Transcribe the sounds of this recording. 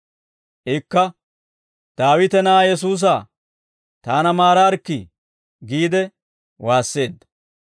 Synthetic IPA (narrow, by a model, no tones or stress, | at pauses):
ʔɪkːɐ | d̪̥aːwɪt̪ɛnaːjɛs̬uːs̬aː | t̪aːnɐmaːɾaːɾkːɪ | ɡiːd̪ɛ | waːsːe̞ːd̪ːɐ̥